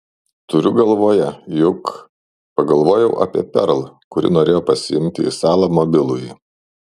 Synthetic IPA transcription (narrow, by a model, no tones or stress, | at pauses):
t̪ʊɾʲʊɡɐlˠʋoːjɛjʊk | pɐɡɐlˠʋoːjɛʊʔɐ̰ːpʲiɛpʲɛ̰ɾlˠkʊɾʲɪ̰noːɾʲeːjoːpɐsʲɪɪmʲt̪ʲɪḭsɑːlˠɐmɔbʲɪlˠʊj